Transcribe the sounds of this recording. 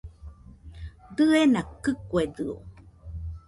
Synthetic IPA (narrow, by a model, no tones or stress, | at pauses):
d̪ɨenakɨkwed̪ɨo̰